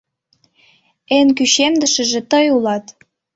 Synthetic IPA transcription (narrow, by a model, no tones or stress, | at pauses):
enk̬yɕemd̪ə̆ʃə̆ʒĕt̪ɤjulɑt̪